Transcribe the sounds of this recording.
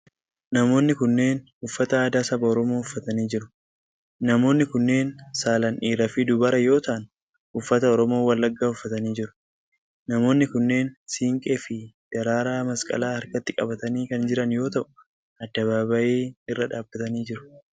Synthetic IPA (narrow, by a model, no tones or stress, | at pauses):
nɐmo̞ːnːɪkʊnːe̞ːnhʊfːɐt̪ɐaːd̪aːsɐbɐɔɾɔmo̞ːʊfːɐt̪ɐniːd͡ʒɪɾʊ̥ | nɐmo̞ːnːɪkʊnːe̞ːnsaːlɐnʔiːɾɐfɪd̪ʊbɐɾɐjo̞ːt̪ɐʔɐn | hʊfːɐt̪ɐɔɾɔmo̞ːwɐlːɐɡːaːhʊfːɐt̪ɐniːd͡ʒɪɾʊ̥ | nɐmo̞ːnːɪkʊnːe̞ːnsiːŋkʼefɪd̪̥ɐɾaːɾaːmɐskʼɐ̰laːhɐɾkɐt̪ːɪkʼɐ̰bɐt̪ɐniːkɐnd͡ʒɪɾɐnjo̞ːt̪ɐʔʊ̥ | ɐd̪ːɐβaːbɐʔeːɪrːɐᶑaːbːɐt̪ɐniːd͡ʒɪɾʊ̥